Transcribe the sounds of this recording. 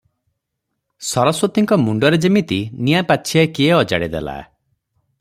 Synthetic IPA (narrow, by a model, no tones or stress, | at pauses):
sɔɾɔswɔt̪iŋkɔmuɳɖɔɾed͡ʒimit̪inijapaːʃʰiekieɔd͡ʒa̰ɽid̪ḛla̰